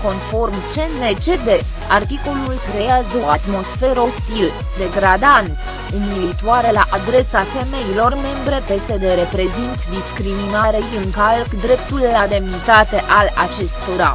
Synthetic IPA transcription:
ko̞nfo̞rmt͡ʃe̞ne̞t͡ʃe̞d̪e̞ | art̪iko̞lulkɾe̞jazəat̪mo̞sfe̞ɾo̞st̪il | d̪e̞ɡɾad̪ant̪ | ɨnilit̪uaɾelaʔad̪ɾe̞safe̞me̞ilo̞rme̞mbɾe̞pe̞se̞d̪e̞ɾe̞pɾe̞zint̪d̪iskɾiminaɾejɨŋkalkd̪ɾe̞p̚t̪ulːad̪e̞mnit̪at̪e̞ʔalat͡ʃe̞st̪o̞ɾa̰

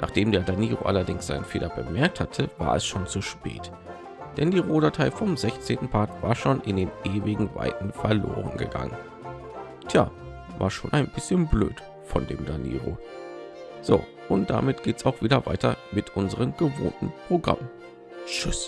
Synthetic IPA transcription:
nʔaːχd̥eːmdeːɐdaniːʁoʔalɐdɪŋsz̥a̰ɪnənfeːlɐb̥əmɛɐk̚thatʰəva̰ːɐɛsʃoːnt͡suʃpɛ̰ːt | d̥ɛndiːʁoːdɐtʰaɪfɔmzɛçt͡seːntn̩pʰaɐkv̥aːɐʃoːnʔɪndeːnʔeːvɪɡŋ̩va̰ɪtn̩fɛɐloːʁə̰nɡəɡa̰ŋə̰n | tʰja̰ː | va̰ːɐʃoːnʔaɪnbɪsçənbløːt | fɔndeːmdanḭːʁo̰ | z̥o̰ː | ʔʊnt̚d̥a̰mɪtɡ̥eːtsaʊxv̥iːdɐva̰ɪtɐmɪtʰʔʊnzəʁ̞əmɡ̥əvo̰ːntn̩pʁ̥oɡʁa̰m | ʃʏs

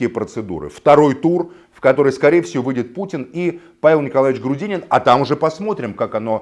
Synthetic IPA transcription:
kʲɪjəpɾət̪sɨd̪ṵɾɨ̰ft̪ɐɾo̞jt̪ur | fkɐt̪o̞ɾɨjskɐɾʲejəfsʲɪvovɨdʲɪt̪̚putʲɪni | pavʲɪlˠnʲɪkɐlˠavʲɪt͡ɕɡɾʊdʲinʲɪnɐt̪amʊʐɛpɐsmo̞t̪ɾʲɪmkakɐno̞

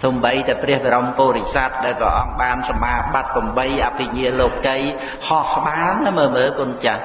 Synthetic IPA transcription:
suːmɓəjt̪aɛpriəhɓaɾompoːɾicsat̪̚ɗaɛlpəʔɑŋɓaːnsɑmʔaːɓat̪̚pomɓəjʔapʰːiɲiəloːp̚kəj | hɑhɓaːnːaməːməːkʊnt͡ɕa

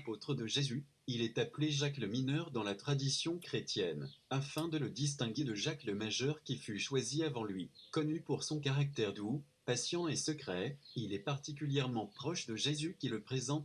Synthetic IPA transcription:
apot̪χəd̪əʒezy | ilɛt̪apleʒakləminœʁd̪ɑ̃lat̪χad̪isjɔ̃kχet̪jɛnafɛ̃d̪ələd̪is̬t̪ɛ̃ɡʲed̪əʒakləmaʒœʁkʲifyʃwaziavɑ̃lɥikɔnypuʁsɔ̃k̬aʁak̚t̪ɛʁd̪u | pasjɑ̃esəkχɛilɛpaʁt̪ikʲyljɛʁmɑ̃pχɔʃd̪əʒezykʲiləpχezɑ̃t̪

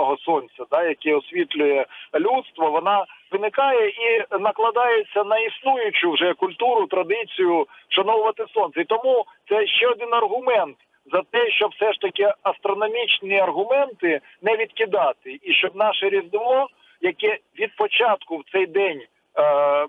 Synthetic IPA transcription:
ɔɦɔsɔnʲt͡sʲɐd̪ɑjɐkɛɔsʲʋʲit̪lʲʊjɛlʲut̪st̪ʋɔʋɔnɑʋɪnɪkɑjɛinɐklˠɐd̪ɑjet͡sʲːɐnɐisnujʊt͡ʃʊwʒɛkʊlʲt̪uɾʊt̪ɾɐd̪ɪt͡sʲijʊʃɐnɔlˠʋɐt̪ɪsɔnsɐit̪ɔmut̪sɛʃt͡ʃɛɔd̪ɪnɐrɦʊmɛnt̪ | zɐt̪ɛʃt͡ʃɔbwsɛʂt̪ɐkɪɐst̪ɾɔnɔmʲit͡ʃnɐrɦʊmɛnt̪ɪ | nɛʋʲid̪kʲɪd̪ɑt̪ɪiʃt͡ʃɔb̚nɑʃɛɾʲizd̪ɪlˠɔ | jɐkɛʋʲid̪̚pɔt͡ʃɑt̪kʊwt̪sɛjd̪ɛnʲ

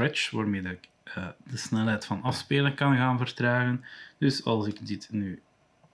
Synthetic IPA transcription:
ɹɛt͡ʃʋa̰ːrmeːdɪk | əːd̥əsnɛlˠɦɛjtfɑnɑfspeːləkɑnɣaːnvərtraːɣənd̥ɵsɑ̰lˠzɪkdɪtnyː

